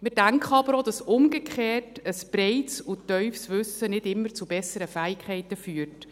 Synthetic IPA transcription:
mɪdæŋkχəɑbəɾod̥ɑsʊmɡekχeːrtəsb̥ɾɛɪtsutœʏfsʋʉsənɪdɪmːəɾt͡subɛsəɾəfæːɪkχɛɪtəfyːɾt

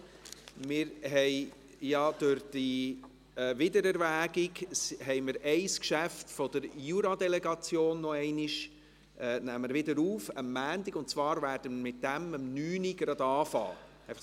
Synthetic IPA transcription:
mɪɾɦɛɪ | jɑd̥ʊɾd̥i | ɛːvɪdəɾɛɾvæːɡiɡsɦɛɪməɾʔɛɪskʃæftfɔd̥əɾjuɾɑdɛlɛɡɑt͡sjoːnːɔɛɪniʃ | ɛːnæmːəɾvɪdəɾuːfəmːæːndiɡʊnt̚t͡svɑːɾvæːɾd̥əmmɪt̚d̥æməmnyːniɡ̥ɾɑd̪ɑːfɑ̰ː | ɛ

